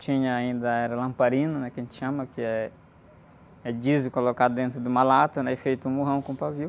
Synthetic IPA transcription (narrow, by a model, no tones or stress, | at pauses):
t͡ʃĩɲɐaĩnd̪ɐɛɾɐlɐ̃mpaɾĩnɐnɛkɐʒẽnt͡ʃ̪ɪʃɐ̃mɐkɪɛ | ɛd͡ʒizʊkolokad̪ʊd̪ẽnt̪ɾʊd̪ɪũmalat̪ɐnɛifejt̪ʊũmuɦɐ̃w̃kõpaviw